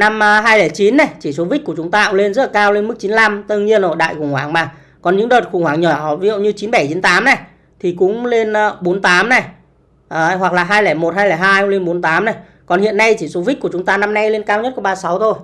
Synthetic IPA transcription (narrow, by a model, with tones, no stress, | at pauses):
na˧mː˧ɦaː˧jlɛː˧˩t͡ɕi˨˦nːa˨˩jt͡ɕi˧˩so˨˦vi̟˦˥ku˧˩ət͡ɕʊ˨˦ŋ͡mt̪aː˧ʔʊ˧˥le˧nzə˦˥la˨kaː˧wle˧nmɨ˦˥k̚t͡ɕi˨˦nla˧mt̪ɨ˧ŋɲi˧ənzo˨˩jɗa̰ː˧˨jxʊ˧˩ŋ͡mhwaː˧˩ŋmaː˨˩ | kɔ˨˩nɲɨ̰˧˥ŋɗəː˨˩t̚xʊ˧˩ŋ͡mhwaː˧˩ŋɲɔ˧˩˨vi˧˨zə̰˧˨wɲɨ˧t͡ɕi˨˦nɓa˧˩jt͡ɕi˨˦nt̪aː˨˦mna˨˩j | t̪ʰi˨˩kʊ̰˧˥ŋ͡mle˧nː˧˩ɓo˨˦nt̪aː˨˦mna˨˩j | ʔːɦwa˨˩k̚laː˨˩ɦaː˧jlɛː˧˩mo˨˩t̚haː˧jlɛː˧˩jɦaː˧jʊ˧˦˥ŋle˧nɓo˨˦nt̪aː˨˦mna˨˩j | kɔ˨˩nhḭ˧˨ənːa˧jt͡ɕi˧˩so˨˦vi˦˥ku˧˩t͡ɕʊ˨˦ŋ͡mt̪aː˧na˧mna˧jle˧nkaː˧wɲə˦˥t̚kɓaː˧sa˨˦wt̪ʰo˧j